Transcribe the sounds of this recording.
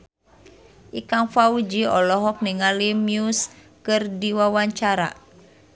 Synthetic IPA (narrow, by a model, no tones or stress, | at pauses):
ʔikaŋfaud͡ʒiɔlɔɦɔk̚niŋalimjus | kɨrdiwawaɲt͡ʃaɾa̰